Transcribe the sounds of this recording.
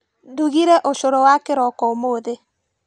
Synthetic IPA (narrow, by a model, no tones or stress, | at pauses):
duɣiɾɛʔoʃoɾɔwakeɾɔkɔomoːðe